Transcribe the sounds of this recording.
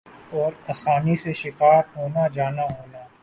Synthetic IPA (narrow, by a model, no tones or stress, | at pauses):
ɔːɾaːsaːniseʃɪkaːɾɦoːnad͡ʒaːnaɦoːna